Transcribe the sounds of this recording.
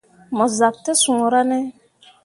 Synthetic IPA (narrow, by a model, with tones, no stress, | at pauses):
mɔ˨za˨k̚te˦sũ˨ŋ˨ɾa˦nɛ˦